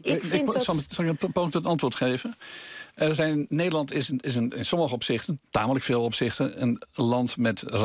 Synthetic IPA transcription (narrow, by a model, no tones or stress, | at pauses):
ɪssɑlˠɪkəpoːtətɑntʋʊːɹtχeːvənəzɛjnnnːejdəlˠɑntɪsɪsənɪnsɔməχəɔpsɪχtənta̰ːmələkfeːlˠɔpsɪχtənə̰nlɑntmɛtr